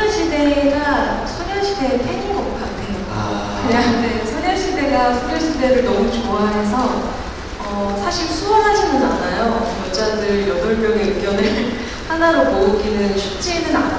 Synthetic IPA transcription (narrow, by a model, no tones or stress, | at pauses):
ɕʰide̞ɡa | sʰoɲanɕʰide̞ɾtʰed͡ʑinɡʌp͈ok͈atʰejo | kɯɲaŋnesʰoɲjaɭɕ͈ʰide̞ɡasʰoɲjʌɭɕʰide̞ɾɯɭnʌmut͡ɕoaɦe̞s̬ʰʌ | ʌsʰaɕʰiɭsʰuʌnɦad͡ʑʰinɯanajojʌd͡ʑadɯɾjʌdʌɭmjʌŋeɯɡjʌnɯn | hanaɾopouɡinɯnɕʰut͡ɕ͈inɯna